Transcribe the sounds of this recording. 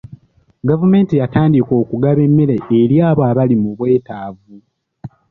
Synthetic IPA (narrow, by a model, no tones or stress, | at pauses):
ɡavume̞ːntijataːndiko̞ːkuɡaβe̞mːeɾeeɾjaːβoaβalimuβwe̞ːtaːvu